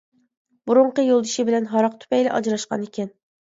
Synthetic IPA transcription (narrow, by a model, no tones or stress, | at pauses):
buɾʊɴqəjolˠd̪ɨʃɪbɪlɛnɦɑɾɑq̚t̪ʰy̥pɛjlɪʔɑ̰d͡ʒɾɑʃqɑ̰nekʲɛn